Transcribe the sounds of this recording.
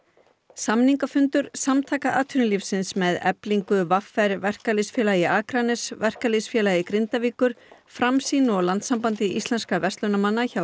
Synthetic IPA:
samniŋkafʏnt̪ʏɾ̥samt̪ʰaːkaʔaːt̪ʰʏnɪlifsɪnsmɛðɛ̰pliŋkʏvafːɛɾvɛr̥kalɪsfjɛːlaɪʔaːkɾanɛsvɛr̥kalɪsfjɛːlajɪkɾɪnt̪aviːkʏɾ̥fɾamsiːnɔɣlant̪sampant̪ɪʔist̪lɛnskavɛst̪lœnamanːaça

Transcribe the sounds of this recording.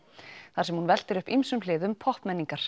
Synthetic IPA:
θaɾ̥sɛmhunvɛl̥t̪ɪɾʏhpimsʏmlɪːðʏmpʰɔhpmɛnːiŋkaɾ̥

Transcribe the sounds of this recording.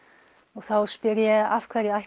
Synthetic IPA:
ɔɣθawspɪɾjɛafkʰvɛːɾjɛaj

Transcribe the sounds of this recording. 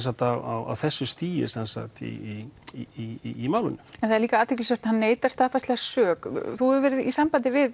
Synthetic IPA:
sat̪awa̰wa̰wθɛsːʏst̪iːjɪ̰sɛnsa̰kt̪ḭi | maːwlɪ̰nːʏɛnθaðɛɾliːkaaːt̪ʰɪklisvɛɾ̥t̪hanːeːjt̪ḁst̪aːðfast̪lɛɣasœːkθuɛɾvɛːɾɪðisampant̪̬ɪvɪð

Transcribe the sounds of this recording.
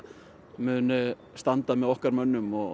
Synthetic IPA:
mʏːnʏ | st̪ant̪amɛðɔhkaɾmœnːʏmɔ

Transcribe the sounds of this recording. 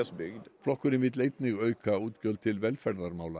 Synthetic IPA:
əsbʏɡd̪flɔkʊɾɪmɪt̪leɪt̪nɪɡœʏkʰɑʉːt̪ɡœlt̪ʰɪlʋɛlfæɖɑɾmɑʊlɑ

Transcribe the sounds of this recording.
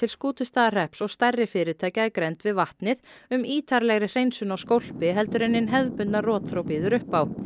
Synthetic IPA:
ɪlskuːt̪ʏst̪aːðr̥ɛhpsɔɣst̪arːɪfɪːɾɪt̪ʰaːjcaakɾent̪vɪðvaht̪nɪðʏmiːt̪ʰaɾlɛɣɾɪr̥ejnsʏnawskowl̥pɪɦɛlt̪ʏɾɛnːɪnɦɛðpʏnarɔːt̪θɾowpiːðʏɾʏhpaw

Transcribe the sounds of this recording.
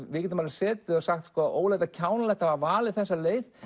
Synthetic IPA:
vɪːcɪnɪmalɪ̥sɛːt̪ɪɔsaxt̪skɔːʔoːwlajt̪acʰaːwnalɛjht̪havavaːlɪθɛsːaleːjð

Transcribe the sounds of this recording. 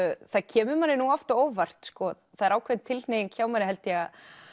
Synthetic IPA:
θaðcʰɛːmʏmanːɪnuɔft̪aoːwvar̥t̪skɔːðθaðɛɾaːwkʰvɛnt̪ʰɪlnejɪncʰaːwmanɪɦɛlt̪ɪa

